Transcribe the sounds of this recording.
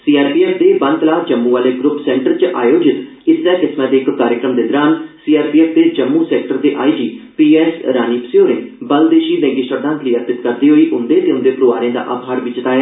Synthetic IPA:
siːaːɾpiːɛːpʰd̪eːbənt̪laːd͡ʒəmːũːʋaːleːɡɾʊpsɛ̃ːɳʈəɾt͡ʃʔaːjoːd͡ʒɪt̪ | ɪsnɛːkɪsmãːd̪eːkːaːɾjəkɾəmd̪eːd̪ɾaːnsiːaːɾpiːɛːpʰd̪eːd͡ʒəmːũːsɛːk̚ʈəɾd̪eːʔaːiːd͡ʒiːpiːɛːsɾaːniːpsɪjoːɾẽːbəld̪eːʃiːnɛ̃ːɡɪsəd̪ãːnk̪ʰliːəɾp̪ɪt̪kəɾd̪iːɦoːiːʔʊnd̪eːt̪eːʊ̃nd̪eːpɾoːaːɾjẽːd̪a̰ːʔa̰ːbɦaːɾʋiːt͡ʃt̪aːaː

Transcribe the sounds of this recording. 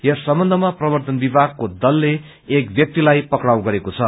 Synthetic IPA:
jʌsʌmbʌnd̪ʱʌmaprʌbʌrt̪ʌnbibʱaɡ̚kod̪ʌlːeː | kbjʌk̚t̪ilajpʌkɽawɡʌɾekot͡sʰʌ

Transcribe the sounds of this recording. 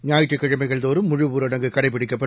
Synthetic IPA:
ɲaːjɪʈːɯkːɪɻɐmɐɪɣɐɭd̪oːɾɯmːʊɻɯʋuːɾɐɽɐŋɡɯkɐɽɐɪp̬ːɪɽɪkːɐpːɐ

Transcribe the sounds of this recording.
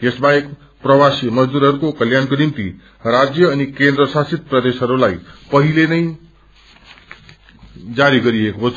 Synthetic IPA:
kesbaek | prʌwasijmʌd͡zd̪uɾɦʌɾukokʌljankonimt̪ḭ | rad͡zjʌːnikend̪ɾʌsasit̪̚prʌd̪esɦʌɾulajpʌɦilenʌj | d͡zaɾiɡʌɾiekot͡sʰ

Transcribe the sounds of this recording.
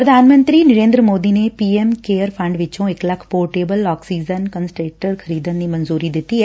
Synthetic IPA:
pɾɐd̪ʱaːnmə̃nt̪ɾiːnɐɾẽːnd̪ɾəmoːd̪inepiːemkeːəɾpʰɐ̃ɳɖʋɪt͡ʃõeklɐkʰpoːʈeːbəlɔːksiːd͡ʒənkənsʈeːʈəɾkʰɐɾiːd̪ənd̪iːmɐnzuːɾid̪ɪt̪iɦɛ

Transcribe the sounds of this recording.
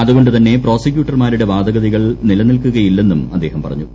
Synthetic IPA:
ɐðuɣo̞ɳɖɨt̪ɐnːe̞pro̞ːsɐkjuːʈːɐrmaːɾuɽe̞ʋaːd̪ɐɣɐðiɣɐɭnilɐnilkuɣɐjilːe̞nːumɐd̪ːe̞ːhɐmpɐrɐ̰ɲːu

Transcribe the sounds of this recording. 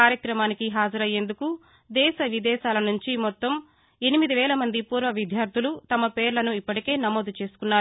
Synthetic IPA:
aːɾjɐkɾɐmaːnikiɦaːd͡ʒɐɾɐjːe̞nd̪uku | d̪ɛːʃɐʋid̪ɛːʃaːlɐnuɲt͡ʃimɔt̪ːɐm | e̞nimid̪iʋɛːlɐmɐnd̪ipuːɾʋɐʋid̪ʱjaːɾt̪ʰulut̪ɐmɐpe̞ːɾlɐnuipːɐʈike̞ːnɐmo̞ːd̪ut͡ʃe̞ːsu̥kunːaː

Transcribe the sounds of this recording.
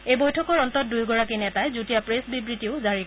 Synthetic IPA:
ejbojtʰɔkɔɹɔntɔt̚dujɡɔɹakinɛtajzutijapɹesbibɹitiʊzaɹik

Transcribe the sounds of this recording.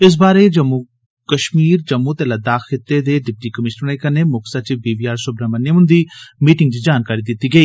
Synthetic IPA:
ɪs̬baːɾed͡ʒɐmːu | kəʃmiːɾd͡ʒəmːut̪ɛlad̪aːxxɪt̪ːed̪eːɖɪp̚ʈikəmɪʃnəɾnẽkəneːmʊksat͡ʃibiːbiːaːɾsʊbɾamənːeʊ̃nd̪iːmiːʈɪ̃ŋɡ̚t͡ʃd͡ʒaːnkaːɾid̪ɪt̪iːɡəiː

